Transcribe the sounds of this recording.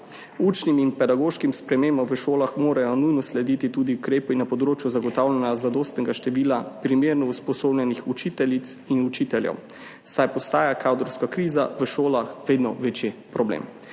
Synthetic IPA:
ut͡ʃniminpɛd̪aɡoːʃkimspɾɛmeːmbɔmʋəʃoːlaxmoːɾajɔnujnɔslɛd̪iːt̪it̪ud̪iukɾeːpinapɔd̪ɾoːt͡ʃjuzaɡɔt̪awlʲɛnazad̪oːst̪nɛɡaʃt̪ɛʋiːlapɾimeːɾnɔuspɔsoːblʲjɛnixut͡ʃit̪ɛlit̪sinut͡ʃit̪ɛljɛ̰w | sajpɔst̪aːjakʰawd̪ɾɔwskakɾiːzaʋəʃoːlaxʋeːd̪nɔʋet͡ʃjepɾɔblḛːm

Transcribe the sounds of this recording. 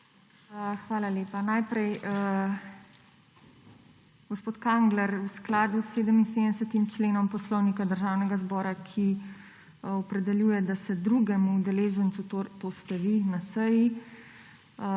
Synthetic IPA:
xʋaːlaleːpanajpɾɛj | ɡ̥ospoːt̪kaŋɡlɛɾusklaːd̪usːeːd̪əminseːd̪d̪ɛsət̪imt͡ʃleːnɔmpɔslɔwnikad̪əɾʒaːwnɛɡazbɔːɾakʰi | ɔpɾɛd̪ɛljuːjɛd̪asɛd̪ɾuɡɛmuːd̪ɛleːʒənsut̪ost̪ɛʋinasəji

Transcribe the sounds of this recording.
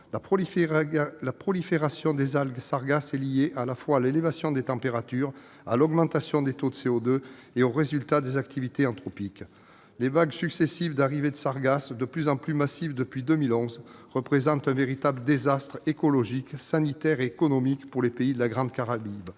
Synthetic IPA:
a | lapχɔlifeʁasjɔ̃d̪ezaɡsaʁɡasɛlijeʔalafwalelevasjɔ̃d̪et̪ɑ̃peʁat̪yʁ | a̰lɔɡmɑ̃t̪asjɔ̃d̪et̪od̪əseɔd̪ø | eoʁezylt̪ad̪ezak̚t̪ivit̪eɑ̃t̪χɔpik | levaɡsyksesivd̪aʁived̪əsaʁɡasd̪əplyzɑ̃plymasifd̪əpɥid̪əmilɔ̃zʁəpχezɑ̃t̪ɛ̃veʁit̪abləd̪ezast̪χekɔlɔʒiksanit̪ɛʁeːkɔnɔmikpuʁlepeid̪əlaɡʁɑ̃d̪kaʁabib

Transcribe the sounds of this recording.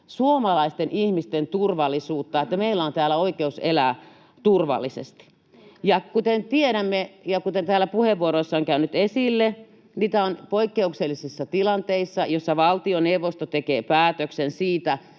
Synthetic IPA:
suomɑlɑist̪enʔihmist̪ent̪urʋɑlːˑisuːt̪ːɑet̪ːæmeilːæont̪æːlːˑæoikeuselæ | t̪urʋɑ̰lːisḛst̪i̥ | jɑkut̪ent̪ieɾæmːejɑkut̪ent̪æːlːæpuheʋʋuoɾoesːɑoŋkæynyt̪esilːe | niːt̪æonpoikːeukselːisisːɑt̪ilɑnt̪eisːɑjosːɑʋɑlt̪ioneʋːost̪ot̪ekeːpæːt̪øksensiːt̪æ

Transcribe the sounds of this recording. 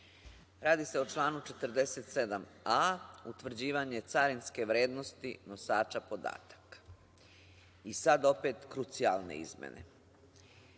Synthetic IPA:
ɾaːd̪ise̞o̞t͡ʃlˠaːnut͡ʃe̞t̪r̩d̪eset̪se̞d̪amaut̪ʋr̩d͡ʑiːʋaɲe̞t̪saɾinske̞ʋɾeːd̪no̞st̪ḭno̞saːt͡ʃapo̞d̪a̰ːt̪ḁk | isad̪o̞pe̞ːt̪kɾut̪sia̰lne̞̰ḭzmḛne̞̰

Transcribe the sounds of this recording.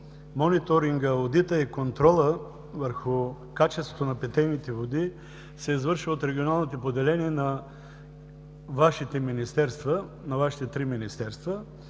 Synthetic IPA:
mɔnit̪oɾiŋɡəvod̪it̪əikont̪ɾɔlˠə | vəɾxʊ | kat͡ʃɛst̪vot̪onɐpɛt̪ɛjnit̪ɛvod̪i | sɛizvɤɾʃvot̪ɾɛɡʲionalˠnot̪opod̪ɛlɛniɛnɐ | vaʃit̪ɛminist̪ɛɾst̪və | nɐvaʃi̥t̪ɛt̪ɾiminist̪ɛɾst̪və

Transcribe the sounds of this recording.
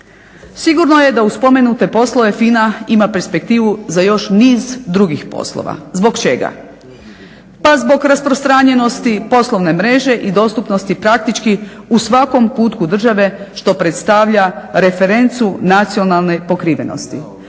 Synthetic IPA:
siɡuɾno̞je̞d̪auspo̞me̞nut̪e̞po̞slˠo̞ʋe̞finaimapeɾspe̞k̚t̪iːʋuzajo̞ʃniːzd̪ɾuɡixpo̞̰slˠo̰ʋa̰zbo̞ɡt͡ʃe̞ɡa̰ | pazbo̞ɡɾaspɾost̪ɾaːɲe̞no̞st̪ipo̞slˠo̞ʋne̞mɾe̞ʒe̞ʔid̪o̞ːst̪upno̞st̪ipɾak̚t̪it͡ʃkiusʋako̞mpuːt̪kud̪r̩ʒaʋe̞ʃt̪o̞pɾe̞t̪st̪aʋʎaɾe̞fe̞ɾe̞nt̪sunat̪sio̞nalˠne̞po̞kɾiːʋe̞no̰st̪i

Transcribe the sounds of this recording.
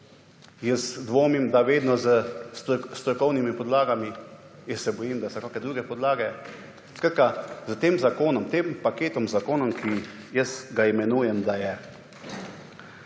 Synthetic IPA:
jəsd̪ʋoːmimd̪aʋeːd̪nɔzə | st̪ɾɔkɔwnimipɔd̪laːɡami | jəsɛbɔjimd̪asɔkaːkɛd̪ɾuːɡɛpɔd̪laːɡɛ | skɾat̪̚kazət̪eːmzakoːnɔmt̪eːmpakeːt̪ɔmzakoːnɔmkʰi | jəsɡaimɛnuːjɛmd̪ajɛ

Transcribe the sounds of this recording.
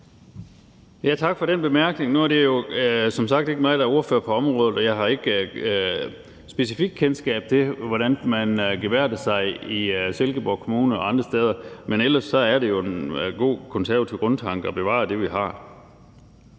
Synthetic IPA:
jæt͡sʰɑ̈ɡ̥fɒ̽ɾ̥enb̥e̝mæɐɡ̥ne̝ŋnuæɐd̥e̝jo̝sɒ̽msɑ̈ɡ̥d̥e̝ɡ̥əmɑ̈ːðˠdɑ̈o̝ɐfø̰ɐpʰɒ̽ɒ̽mʁɔ̽ːð̩ˠɒ̽jɑ̈ɪɦɑ̈e̝ɡ̥ | sb̥e̝sifiɡ̥̚kʰensɡ̥ɛ̰ːb̥̚t͡sʰe̝ʋɒɾ̥ænmænɡ̥eʋæɐ̰d̥əsɑ̈ɪiselɡ̥əb̥ɒ̰kʰomuːnəɒ̽ɑ̈nd̥ʁɐsd̥eːð̞ˠɐmenel̰ɐsːɒ̽æɐɾe̝jo̝e̝nɡ̥o̝̰ːkʰɔ̽nsæɐʋæt͡sʰiʊ̰ɡ̥ɔ̽nt͡sʰɑ̈ŋ̰ɡ̥əɒ̽b̥e̝ʋɑ̰̈ːd̥e̝ʋiɦɑ̈

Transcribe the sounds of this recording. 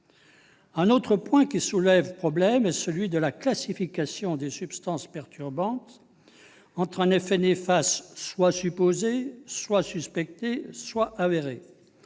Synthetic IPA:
ɛ̃not̪χəpwɛ̃kʲisulɛvpχɔblɛmɛsəlɥid̪əlaklasifikʲasjɔ̃d̪esypst̪ɑ̃spɛʁt̪ʰyʁbɑ̃t̪ | ɑ̃t̪χɛ̃nefɛnefast̪ːwasypozeswasyspɛk̚t̪eswaʔaveʁe

